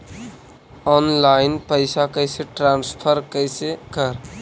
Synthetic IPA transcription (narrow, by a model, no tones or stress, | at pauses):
ɔnlaɪnpəɪsakəɪseʈɾãnspʰəɾkəɪsekəɾ